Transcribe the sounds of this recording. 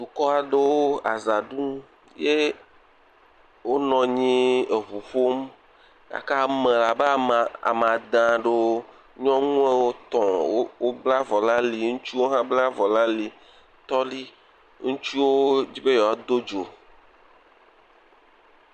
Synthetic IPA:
ɖu˨kɔ˦a˨ɖe˦wo˦a˨za˨ɖũ˦ | je˦ | wo˦nɔ̃˨ɲĩ˦e˨βu˨ɸo˦m | ja̰˨ka˦mẽ˨la˨be˦a˨a̰˨m˨a˨d̪ã˨ɖe˦o˦ | ɲɔ̃˦ŋũ˦e˦wo˦t̪ɔ̃˨wo˦wo˦bla˦vɔ˨la˦li˨ŋũ˦t͡ʃi˦wo˦ɦã˦bla˦vɔ˨lã˦li˨ | t̪ɔ˦li˦ | ŋũ˦t͡ʃi˦wo˦d͡ʑi˦be˦jɔ˨a˨d̪o˦d͡ʒo˨

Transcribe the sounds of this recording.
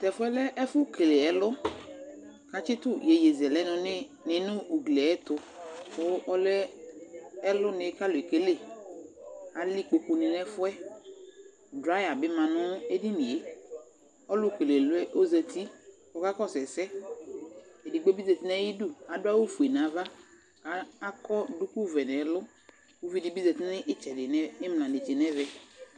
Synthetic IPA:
tɛ˨fʊ˦ɛ˦lɛ˦ʔɛ˦fʊ˦ke˨le˨ɛ˨lʊ˦ | ka˨t͡ʃɪ˦tʊ˦je˨je˨zɛ˨lɛ˦nʊ̃˨nɪ˦ | nɪ˨˦nʊ˦u˨ɡle˨ɛ˦tʊ˨ | fʊ˦ʔɔ˦lɛ˦ | ɛ˦lʊ˦nɪ˨˦ka˦lʊ˨e˨ke˦le˦˨ | a˨li˦k͡po˨ku˨nɪ̃˨nɛ˦fʊ˦ɛ˦ | dɾa˦ja˨bɪ˦mã˨nʊ̃˦e˦di˦ni˨e˦ | ɔ˦lʊ˦˨ke˨le˨lʊ˦ɛ˦ʔo˦ze˨tʰi˦ | ɔ˨ka˦kɔ˦˨sɛ˨sɛ˦ | e˨di˨ɡ͡be˦bi˦ze˨ti˦nɛ˦ji˦du˦˨a˨dʊ˦a˦wo˦fu˨e˨nã˨˦va˦ | a˨˦a˦kɔ˦dʊ˦ku˦vɛ˨nɛ˨˦lʊ˦ | wu˦vi˦dɪ˨bi˦ze˨ti˦nɪ˦ʔɪ˦t͡ʃɛ˨dɪ˨nɛ˦ɪ˦m˨lã˨ne˨t͡ʃe˨nɛ˦vɛ˨

